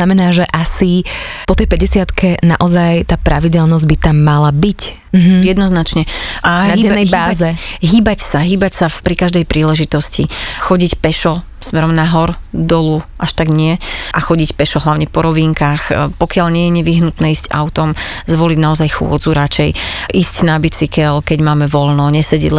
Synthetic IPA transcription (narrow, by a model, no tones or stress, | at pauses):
namɛnaːʒɛʔasipɔt̪ɛjpɛɟɛsɪat̪kɛna̰ʔɔzajt̪aːpɾʔaʋiɟɛlnɔzɟbit̪amːalabic̩ | ɦjɛd̪nɔznat͡ʃɲɛʔanaiɛnːɛjbaːzɛɦiːbacsaɦiːbacsafpɾikaʒd̪ɛjpɾʔiːlɛʒit̪ɔscḭxɔɟicpɛʃɔ | smɛɾɔmnaɦɔɾd̪ɔluʔaʃt̪aɡɲɪɛʔaxɔɟicpɛʃɔɦlaʊɲɛpɔɾɔʋiːŋkaːxpɔkɪaʎɲɪɛjɛɲɛʋiɦnut̪nɛːiːsz̥ɟa̰ʊt̪ɔmzʋɔliɟnaɔzajxʊɔ̰d͡zuɾat͡ʃɛjʔiːscnabit͡sikɛlkɛɟmaːmɛʋɔlnɔɲɛsɛɟɛ̰ɟl